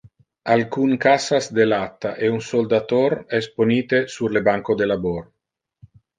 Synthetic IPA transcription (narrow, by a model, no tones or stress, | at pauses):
alkuŋkasasd̪elat̪ːaʔeunsold̪at̪oɾɛsponiːt̪esurlebaŋkod̪elabor